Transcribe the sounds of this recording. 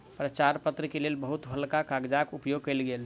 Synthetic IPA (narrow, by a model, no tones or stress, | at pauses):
pɾət͡ʃaɾpət̪ɾəkelelbəɦut̪ɦəlkakaɡd͡ʒakupjoɡ̚kəɛlɡel